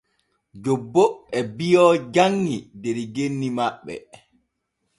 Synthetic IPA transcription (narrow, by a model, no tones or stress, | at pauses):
d͡ʒobːoɛbijɔːd͡ʒaŋːideɾiɡenːimaɓːɛ̰